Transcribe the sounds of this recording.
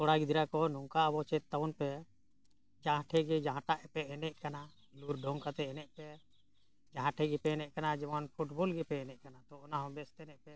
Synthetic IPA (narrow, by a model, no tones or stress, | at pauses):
t̪ɔɽaɡid̪ɾakɔnɔŋkaəbɔt͡ʃɛt̪ːaɔnpɛ | d͡ʒãɦʈʰɛɡid͡ʒãɦãʈaʔɛpɛʔɛnɛʔkana | luɾɖʱɔ̃ŋkat̪ɛɛnɛʔpɛ | d͡ʒaɦãʈʰɛɡipɛɛnɛʔkanad͡ʒɛmɔnpʰuʈbɔlɡɛpɛɛnɛʔkanat̪ɔɔnaɦɔ̃bɛst̪ɛnɛʔpɛ